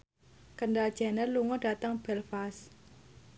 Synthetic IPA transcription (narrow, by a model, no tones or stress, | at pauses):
kəɳɖad̥ʒ̥ɛnərluŋɔɖ̥a̤t̪əŋb̥ɛlfas